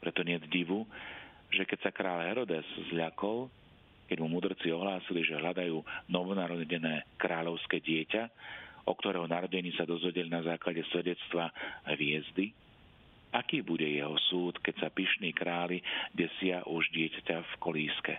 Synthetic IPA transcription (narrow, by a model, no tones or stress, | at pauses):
pɾɛt̪ɔɲɪɛd̪ɟiʋu | ʒɛkɛcsakɾaːʎɦɛɾɔd̪ɛzzʎakɔl | kɛɟmumud̪r̩t͡siɔɦlaːsiliʒɛɦʎad̪ajuːnɔʋɔnaɾɔɛɟɛnɛːkɾaːʎɔʊskɛːɟɪɛcaɔk̚t̪ɔɾɛːɦɔnaɾɔɟɛɲiːsad̪ɔzʋɛɟɛlinazaːklaɟɛsʋɛɟɛt͡st̪ʋaɦʋɪɛzd̪i | akiːbuɟɛjɛɦɔsuːt̪kɛcsapiʃniːkɾaːliɟɛsɪaʔuʒɟɪɛcacafkɔliːskɛ